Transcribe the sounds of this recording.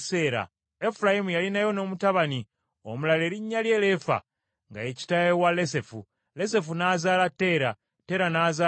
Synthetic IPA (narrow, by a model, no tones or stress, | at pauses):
se̞ːɾa̰ | e̞fulajimujalinajo̞no̞ːmutaβani | o̰mulale̞ːɾiɲːalje̞ːle̞fa̰ | ŋɡa̰e̞ci̥tajewale̞se̞fu | le̞s̬e̞funaːzaːlatːe̞ːɾa | te̞ːɾanaːzaː